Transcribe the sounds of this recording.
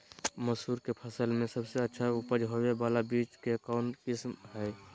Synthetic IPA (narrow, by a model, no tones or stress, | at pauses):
məsuɾkepʰəsəlmesəbseətːʃʰaupəd͡ʒɦobebalabit͡ʃkekaʊnkismɦɛɪ